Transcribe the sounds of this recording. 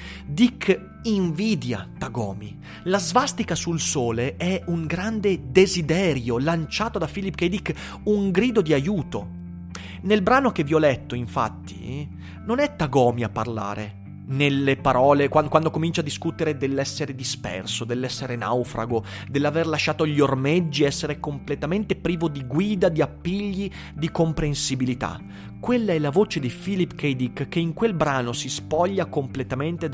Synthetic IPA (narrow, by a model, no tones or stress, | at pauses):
d̪ikʰː | iɱviːd̪ja̰t̪aɡɔːmi | lazvast̪ikasulsoːleɛuŋɡɾand̪ed̪ezid̪ɛːɾjolant͡ʃaːt̪od̪afilipked̪ik | uŋɡɾiːd̪od̪iajuːt̪o | nelbɾaːnokeviɔlɛt̪ːoiɱfa̰t̪ːḭ | nonɛt̪ːaɡɔːmiapːa̰rla̰ːɾḛ | nelːepaɾɔːlekwakwand̪okomint͡ʃad̪ːiskut̪eɾed̪elːɛsːeɾed̪ispɛ̰rsod̪elːɛsːeɾena̰wfɾa̰ɡo | d̪elːaverlaʃːaːt̪oʎːiormed͡ʒːiɛsːeɾekomplet̪ament̪epɾiːvod̪iɡwiːd̪ad̪iapːiʎːi | d̪ikompɾensibilit̪a̰ | kwelːaɛlavoːt͡ʃed̪ifilipːked̪ikkːeiŋkwelbɾaːnosispɔʎːakomplet̪ament̪e